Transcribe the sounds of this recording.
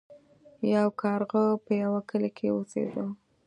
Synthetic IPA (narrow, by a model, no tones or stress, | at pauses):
jawkʰɑɾɣəpəjawakəlakʰewusḛd̪əw